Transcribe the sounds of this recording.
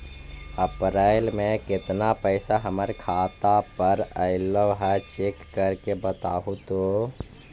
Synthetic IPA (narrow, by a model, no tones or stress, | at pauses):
əpɾaːɪlmẽkɪt̪napəɪsaɦəməɾkʰaːt̪apəɾəɪləʋɦɛt͡ʃeːkːəɾkebət̪aːɦũt̪o